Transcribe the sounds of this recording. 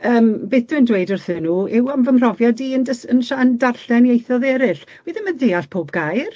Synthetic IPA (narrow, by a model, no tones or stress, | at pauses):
əːmbeːθd̥undwejdərθɨnuːɛwamvəmr̥ɔvjadiːəndəsənʃaəndarɬɛnjejθɔðɛɾɪɬ | wiðɪməndeaɬpʰoːbɡ̥ajr